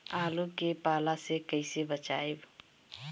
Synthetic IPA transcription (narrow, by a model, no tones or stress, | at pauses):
alukepalasekəɪsebət͡ʃaeb